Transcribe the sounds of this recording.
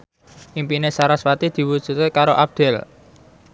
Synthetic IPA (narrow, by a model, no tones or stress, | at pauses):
ʔimpinesaɾaswat̪id̪̥i̤wud̥ʒ̥ṳt̪ekaɾoʔab̚d̪̥ɛl